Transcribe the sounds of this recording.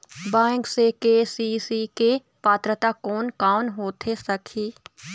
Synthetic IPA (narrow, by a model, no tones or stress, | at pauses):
bɛ̃ːŋksekeːsisike | paːt̪ɾət̪akɔːnkaːnɦoːt̪ʰesɐkʰiː